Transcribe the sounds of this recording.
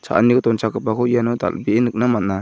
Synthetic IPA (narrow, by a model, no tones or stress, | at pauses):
t͡ʃʰa̰ʔnikɔt̪ɔnt͡ʃakɯpakʰɔjanɔd̪a̰lbiʔenɯk̚namat̚na